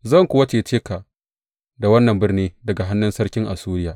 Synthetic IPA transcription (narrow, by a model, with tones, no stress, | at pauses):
zɐ˦˨ŋkʷʊ˨wɐ˦t͡ʃeː˨t͡ʃeː˦ka˨ʔ | da˨wɐ˦nːɐ˨mbɪ˦rniː˦dɐ˨ɡa˨ɦa˦nːʊ˦nsɐ˦ɽkʲɪ˦ŋʔa˨suː˦ɾɪ˦jaː˨ʔ